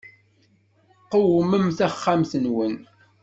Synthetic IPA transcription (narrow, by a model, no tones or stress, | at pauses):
qəwəməmθæχːamθənwən